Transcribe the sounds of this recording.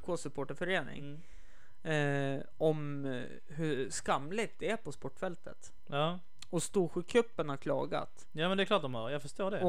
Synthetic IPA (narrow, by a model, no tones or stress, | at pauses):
kʰoːsɵpʰoːʈəɾfœɾeːnɪ̰ŋ | ɔm | ɦɵskamːlɪt̪̚d̪ɛæɾpʰɔspɔʈːfɛlt̪ʰə̰t̪ | ɑː | ɔst̪uːɧʉkʰːɵpːənhaɾkʰlɑ̰ːɡa̰t̪ | jaːmɛnd̪ɛkʰlɑːʈ̚d̪ɔmhœɾjɑːfœʂtoːɖɛɔ